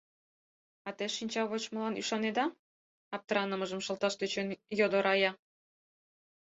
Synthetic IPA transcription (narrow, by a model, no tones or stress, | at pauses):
ɑt̪eʃinʲt͡ɕɑβot͡ɕmə̆lɑnyʃɑned̪ɑ | ɑp̚t̪əɾɑnəmə̆ʒə̆mʃɤ̆lt̪ɑʃt̪øt͡ɕønjod̪oɾɑjɑ